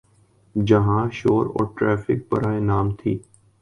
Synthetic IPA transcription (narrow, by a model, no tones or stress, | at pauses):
d͡ʒɐɦãʃoːɾɔ̰ːɾʈɾɛːfʰɪ̰k̚pɐ̰ɾaːenaːmt̪ʰḭː